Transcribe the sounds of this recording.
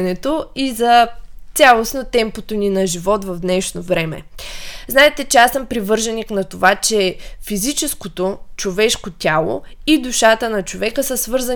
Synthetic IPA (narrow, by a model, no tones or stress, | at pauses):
nɛt̪oizɐt̪sʲalˠosnot̪ɛmpot̪oninɐʒivɔt̪vɐvd̪nɛʃnovɾɛmɛ̰znaɛt̪ɛt͡ʃɛasəmpɾivɤɾʒɐniknɐt̪ovat͡ʃɛfizit͡ʃɛskot̪ot͡ʃovɛʃkot̪ʲalˠo̰id̪uʃat̪ənɐt͡ʃovɛkəsəsvɤɾzə